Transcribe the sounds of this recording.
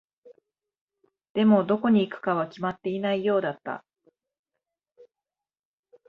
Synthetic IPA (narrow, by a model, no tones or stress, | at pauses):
d̪̥e̞mo̞d̪o̞ko̞ɲ̟iːkɯ̥kaβakʲimat̪ːe̞inaijo̞ːd̪at̪ːa̰